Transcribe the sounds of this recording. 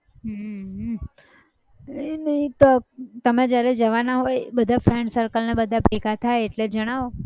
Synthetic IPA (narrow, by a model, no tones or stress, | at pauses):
ɦəɦ | nəit̪ot̪əmẽd͡ʒjaɾɛd͡ʒəʋanaɦojbəd̪ʱafʰɾɛɳɖsəɾkəlnebəd̪ʱapikʰat̪ʰajeʈled͡ʒəɽ̃aʋo